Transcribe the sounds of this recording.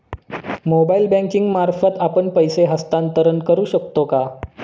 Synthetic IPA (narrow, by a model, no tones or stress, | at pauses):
mobailbæ̃ŋkiŋɡmaɾfət̪apəɳpəjseɦəst̪ant̪əɾəɳkəɾuːɕək̚t̪oka